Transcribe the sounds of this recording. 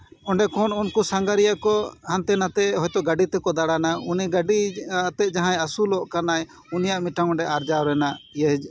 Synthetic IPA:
ɔɳɖɛkɔnunkusaŋɡaɾijakɔhant̪ɛnat̪ɛɦɔjt̪ɔɡaɖit̪ɛkɔd̪aɽanauniɡaɖit̪ɛt̪̚d͡ʒaɦãjasulɔʔkanaj | unijaʔmiʈaŋɔɳɖɛʔaɾd͡ʒawɾɛnajəɦd͡ʒ

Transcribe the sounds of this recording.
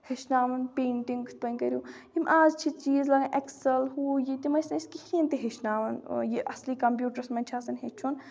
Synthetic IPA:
heʃnaːʋɐnpeːɳʈiŋɡpɐnʲkɐɾʲjũjimʔaːzt͡ʃʰit͡ʃiːzlɐɡaʔeksɐlɦuːjit̪ʲimɐsnɐiskihint̪iɦeʃnaːʋɐnjiʔɐ̰sliːkɐmpjuːʈɐɾsmɐnʲt͡ʃʰaːsɐnɦet͡ʃʰun

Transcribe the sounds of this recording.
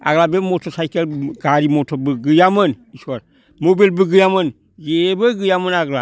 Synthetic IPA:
a̰ɡlabemotosaikelɡaɾimotobɨɡɨjamən | isuaɾ | mobelbɨɡɨjamən | jebəɡɨjamənaɡla̰

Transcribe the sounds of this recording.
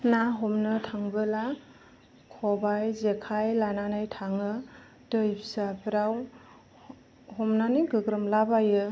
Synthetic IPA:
naɦɔmnɯtʰaŋbɯla | kʰɔbajzekʰajlananajtʰaŋɯ | dəjpʰsapɾaw | ɦɔmnanɯɡɯɡɾəmlabajɯ

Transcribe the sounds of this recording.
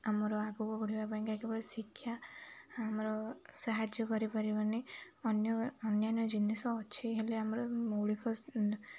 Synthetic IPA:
amɔɾɔaɡubɔbɔɽibapanĩkaekebɔɽesikʰːjaː | mɾɔsaɦad͡ʒjɔkɔɾipaɾibani | ɔnjɔːnjanɔd͡ʒinisɔːt͡ʃʰiɦeleamɔɾɔmowɭikɔ

